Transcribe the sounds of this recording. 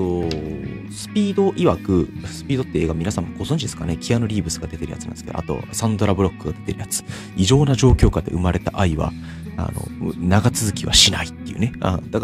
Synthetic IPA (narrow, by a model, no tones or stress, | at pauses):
o | sɨ̥pʲiːd̪o̞ʔiβakɯ̟sɨ̥pʲiːd̪o̞t̪ːeeːɡamʲinasãmːoɡ̥o̞zonɲd͡ʑid̪e̞sɨ̥kanekʲʰijano̞ɾʲiːbɯ̟sɨɡad̪e̞t̪e̞ɾɯ̟ja̰t͡sɨnã̰neskḛa̰t̪o̞̰sãnd̪o̞ɾabɯɾo̞kːɯ̟ɡad̪e̞t̪e̞ɾɯ̟jat͡sɨ̥ | iʑo̞ːnaʑo̞ːkʲo̞ːkad̪e̞ʔɯ̟maɾe̞t̪aʔaiβa̰ | a̰no̞̰naɡat͡sɨzɨkʲiβa̰ɕinait̪ːe̞iɯ̟ne̞a̰d̪ak